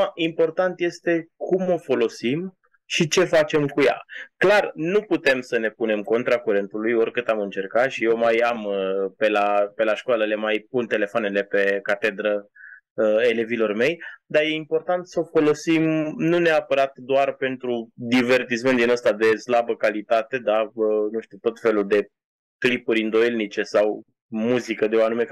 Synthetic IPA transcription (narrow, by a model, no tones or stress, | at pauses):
impo̞rt̪ant̪je̞st̪e̞kʰumo̞fo̞lo̞sim | ʃit͡ʃe̞fat͡ʃe̞mkuja̰klarnuput̪e̞msəne̞pune̞mko̞nt̪ɾakuɾe̞nt̪ulujo̞rʲkɨt̪amɨnt͡ʃe̞rkat̪ʃije̞wmajampe̞lape̞laʃkoaləlemajp̚unt̪e̞le̞foane̞le̞pe̞kat̪e̞d̪ɾə | əe̞le̞vilo̞rme̞jd̪aje̞impo̞rt̪ant̪səfo̞lo̞simnuneapəɾat̪d̪oarpe̞nt̪ɾud̪ive̞rt̪is̬ment̪d̪inəst̪ad̪e̞slabəkalit̪at̪e̞d̪aənũʃt̪uwt̪o̞t̪fe̞luld̪e̞ | klipuɾʲɨnd̪o̞jelnit͡ʃe̞saw | muzikəd̪eoanume̞